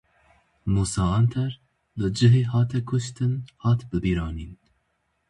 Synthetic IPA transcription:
muːsɑːɑnt̪ʰɛɾ | lɨd͡ʒɨɦeːɦɑːt̪ʰɛkʰʊʃt̪ɨnhɑːt̪bɨbiːɾɑːniːn

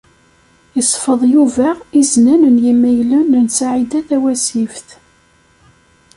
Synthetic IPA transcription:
jəsˤfəðˤjuvæiznænənjimːæjlunənsaʕid̪æθæwæsifθ

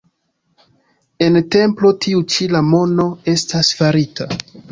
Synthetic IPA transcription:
e̞nte̞mplo̞tiut͡ʃilamo̞no̞e̞stasfaɾita

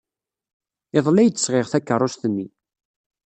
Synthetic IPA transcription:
eðˤlæjt͡sːə̥sʁeʁθækːərˤost̪ənːi

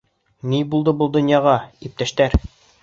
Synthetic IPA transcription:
nibulˠd̪ɤbɤlˠd̪ŏnjɑʁɑip̚t̪æʃt̪æɾ

